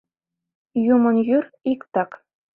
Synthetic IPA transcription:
jumɤ̆njyrikt̪ɑk

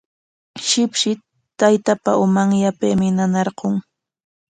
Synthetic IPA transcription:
ʃɪpʃɪ | t̪ajt̪apa̰ʊmaŋjapemɪnanɑɾqoŋ

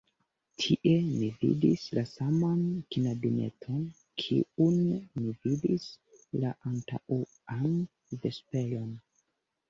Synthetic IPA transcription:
tʰiʔe̞mivḭdislasamankinabinḛtʰo̞n | kʰḭunmividislaʔanta̰ʔu | an | ve̞spe̞lo̞n

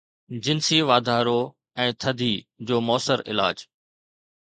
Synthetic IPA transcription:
d͡ʑɪnsiʋaːd̪ʱaːɾo | ɛ̃ːt̪ʰɐd̪ʱiːd͡ʑoːmɔːsəɾɪ̰la̰ːd͡ʑ

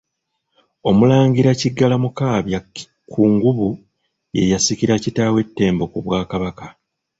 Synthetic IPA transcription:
o̞mulaːŋɡiɾaciɡːalamukaːβja | kʰuŋɡuβu | je̞̰jasiciɾacitaːwe̞tːe̞ːmbo̞kuβwaːkaβaka

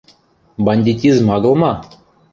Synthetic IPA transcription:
bɑnʲdʲitʲizmɑɡɤ̆lˠmɑ

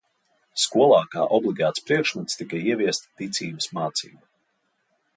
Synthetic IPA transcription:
skuɔlˠaːka̰ːʔɔblˠiɡaːt̪spɾiɛkʃmɛt̪st̪ikaiɛvʲiɛst̪t̪it̪siːbɨsmaːt̪sḭːbu

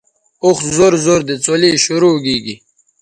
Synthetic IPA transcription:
uxzoɾzoːɾd̪et͡soliɕuɾoɡiːɡi

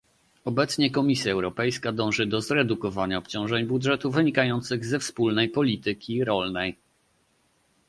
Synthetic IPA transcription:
ɔbɛt̪sɲɛkɔmʲisʲjaɛwɾɔpɛjskad̪ɔ̃w̃ʐɘd̪ɔzɾɛd̪ukɔvaɲaɔpt͡ɕɔ̃w̃ʐɛɲbudʐɛt̪uvɘɲikajɔnt̪sɘɣzɛfspulnɛjpɔlʲit̪ɘkʲiɾɔlnɛj

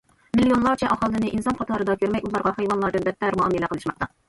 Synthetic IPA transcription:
milijonlˠɑɾt͡ʃʰɛʔɑχɑlˠːɨnɪʔinsɑnqʰɑt̪ʰɑɾɨd̪ɑkʲʰøɾmɛjulˠɑɾʁɑhɑjwɑnlˠɑɾd̪ɨnbɛt̪ʰːɛɾmɑːmɨlæqʰəlˠɨʃmɑqt̪ɑ

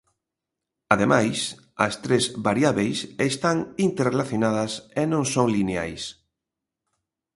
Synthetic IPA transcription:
aðemajs | ɐ̰st̪ɾezβaɾjaβejsest̪aŋint̪eɾrelaθjonað̞ɐsenõŋsoŋlinea̰js

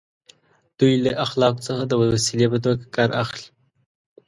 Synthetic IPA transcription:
d̪̥ujlaʔaxlɑkt͡səxad̪əwəwasilepət̪oɡakɑɾaxli̥

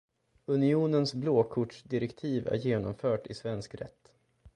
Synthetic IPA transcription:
ɵnɪuːnənsbloːkʰʊʈʂd̪ɪɾɛkt̪ʰiːvæ̰ɾjeːnɔmfœːʈɪsvɛnskɾɛ̰t̪ː

